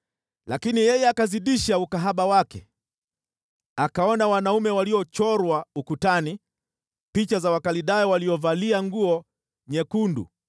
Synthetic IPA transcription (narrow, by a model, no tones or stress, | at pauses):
lakinijɛjɛakaziɗiʃaukaɦaɓawakɛ | akaɔnawanaumɛwaliɔt͡ʃɔɾwaukutani | pit͡ʃazawakaliɗajɔwaliɔvaliaŋɡuɔ | ɲɛkundṵ